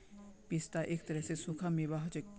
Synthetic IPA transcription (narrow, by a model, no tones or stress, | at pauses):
pist̪aʔek̚t̪əɾɛsesukʰamiʋaɦot͡ʃek